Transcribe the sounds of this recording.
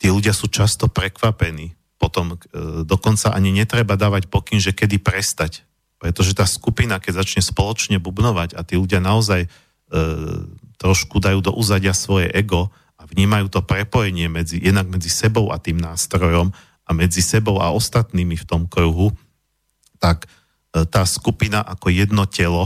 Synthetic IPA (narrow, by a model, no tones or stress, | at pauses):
t̪iɛluɟɪasuːt͡ʃast̪ɔpɾɛkʋapɛniː | pɔt̪ɔmd̪ɔkɔnt͡saʔaɲiɲɛt̪ɾɛbad̪aːʋacpɔkinʒɛkɛd̪ipɾɛst̪ac | pɾɛt̪ɔʒɛt̪aːskupinakɛɟzat͡ʃɲɛspɔlɔt͡ʃɲɛbubnɔʋaɟat̪iːluɟɪanaɔzaj | t̪ɾɔʃkud̪ajuːd̪ɔ̰ʔuzaɟɪasʋɔjɛʔɛɡɔ | avɲiːmajuːt̪ɔpɾɛpɔjɛɲɪɛmɛd͡zijɛd̪naɡ̚mɛd͡zisɛbɔʊa̰t̪iːmnaːst̪ɾɔjɔm | amɛd͡zisɛbɔʊa̰ɔst̪at̪niːmift̪ɔmkɾuɦu | t̪ak | t̪aːskupinaʔakɔjɛd̪nɔcɛlɔ